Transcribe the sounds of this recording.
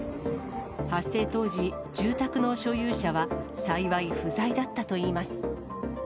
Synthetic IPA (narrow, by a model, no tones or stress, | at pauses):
hasːe̞ːt̪o̞ːd͡ʑi | d͡ʑɨːt̪akɯ̟no̞ɕo̞jɯːɕaβasaiβaiɸɯ̟zaid̪at̪ːat̪o̞iːmasɨ̥